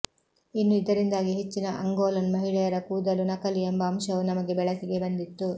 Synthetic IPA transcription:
inːuid̪ɐɾind̪aːɡiɦet͡ʃːinɐʔɐŋɡoːlɐnmɐɦiɭɛjɐɾɐkuːd̪ɐlunɐkɐliembɐːmʃɐʋunɐmɐɡe̞bɛɭɐsiɡe̞bɐnd̪it̪ːu

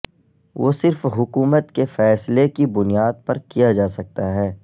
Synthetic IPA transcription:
ʋoːsɪɾfɦʊkuːmət̪kefɛːslekibʊnijaːd̪̚pɐɾkijad͡ʒaːsɐk̚t̪aɦɛː

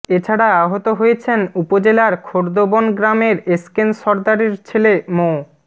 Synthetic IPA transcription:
et͡ɕʰaɽaaɦot̪oɦojet͡ɕʰenupod͡ʑelaɾkʰoɾd̪obonɡɾameɾeskenʃɔɾd̪aɾeɾt͡ɕʰelemo

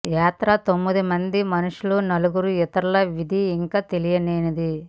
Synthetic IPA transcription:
jaːt̪ɾɐt̪omːid̪imɐnd̪imɐnuʂulunɐluɡuɾuɛt̪ɐɾlɐʋid̪ʱiːŋkaːt̪elijɐneːnɐd̪i

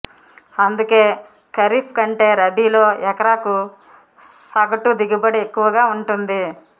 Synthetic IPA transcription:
ɐnd̪uke̞ː | kɐɾiːpʰkɐɳʈe̞ːɾɐbiːlo̞ːɛkɐɾaːku | sɐɡɐʈud̪iɡibɐɽiekːuʋɐɡaːuɳʈund̪i

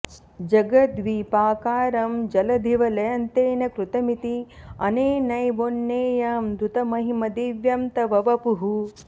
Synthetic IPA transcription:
d͡ʒɐɡɐt̪ʋiːpaːkaːɾɐmd͡ʒɐlɐd̪ʱiʋɐlɐjɐnt̪eːnɐkɾut̪ɐmit̪iɐ̰neːnɐjʋonːeːjaːmd̪ɾut̪ɐmɐɦimɐd̪iʋjɐmt̪ɐʋɐʋɐpuɦu

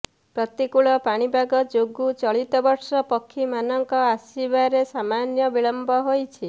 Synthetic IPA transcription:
pɾɔt̪ikuɭɔpaɽ̃ibʱaɡɔd͡ʒoɡut͡ʃɔɭit̪ɔbɔɾsɔpɔkʰːimanɔŋkɔasibaɾesamanjɔbiɭɔmbʱɔɦojt͡ʃʰi

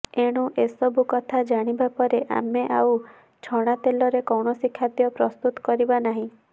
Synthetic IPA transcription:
eɽ̃ũʔesɔbukɔt̪ʰad͡ʒaɽ̃ibapɔɾeʔa̰meʔaw | t͡ʃʰɔɽ̃at̪elɔɾekɔwɳɔsikʰːad̪ijɔpɾɔst̪ut̪ɔ̥kɔɾibanaɦĩ

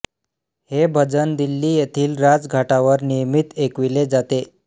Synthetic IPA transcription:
hebʱəd͡zənd̪ilːiːjet̪ʰiːlɾad͡zɡʱaʈaʋəɾnijəmit̪ekʋiled͡zat̪e

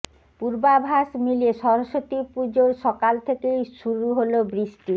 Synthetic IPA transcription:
puɾbabʱaʃmilieʃɔɾoʃot̪ipud͡ʑoɾʃɔkalt̪ʰekejʃuɾuɦolobɾiʃʈi

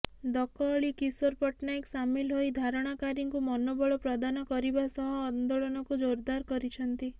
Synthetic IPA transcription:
d̪ɔkɔːɭikisoɾpɔʈnaeksamilɦojd̪ʱaɾɔɽ̃akaɾiŋkumɔnobɔɭɔpɾɔd̪anɔkɔɾibasɔɦɔːnd̪oɭɔnɔkud͡ʒoɾd̪aɾkɔɾit͡ʃʰɔnt̪i

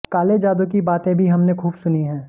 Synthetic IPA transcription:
kaːled͡ʒaːd̪okibaːt̪ẽbʱiɦɐmnekʰuːbsʊniɦɛ̃ː

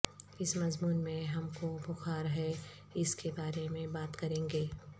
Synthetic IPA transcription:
ɪsmɐzmuːnmẽɦɐmkobʊxaːɾɦɛ | ɪskebaːɾemẽbaːt̪kɐɾẽːŋɡeː

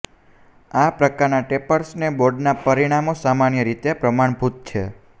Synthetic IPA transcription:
apɾəkaɾnaʈepəɾsneboɾɖnapəɾiɽ̃amosamanjəɾit̪eapɾəmaɳ̃bʱut̪̚t͡ʃʰe

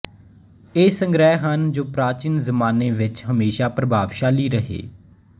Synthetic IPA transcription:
eːsə̃ŋɡɾɛːɦɦənd͡ʒoːpɾaːt͡ʃɪnzəmaːneːʋɪt͡ʃɦəmeːʃaːpɾəbaːʋʃaːliːɾəɦḛː

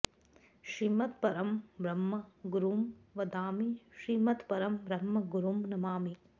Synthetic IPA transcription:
ʃɾimɐt̪pɐɾɐmbɾɐmːɐɡuɾuːmʋɐd̪aːmiʃɾimɐt̪pɐɾɐmbɾɐmːɐɡuɾumnɐmaːmi

